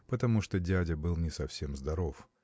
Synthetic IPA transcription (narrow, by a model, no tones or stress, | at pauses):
pət̪ɐmuʂt̪odʲædʲəbɨlˠnʲɪsɐfsʲemzd̪ɐɾof